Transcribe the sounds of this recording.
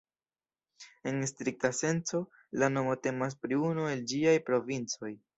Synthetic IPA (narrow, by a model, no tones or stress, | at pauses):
e̞nstɾik̚tase̞nt͡so̞ | lano̞mo̞te̞mas̬pɾiunue̞ld͡ʒiajpɾo̞vint͡so̞j